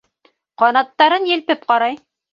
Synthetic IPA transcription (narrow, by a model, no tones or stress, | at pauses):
qɑnɑt̪ːɑɾɤnjɘ̆lpɘp̚qɑɾɑj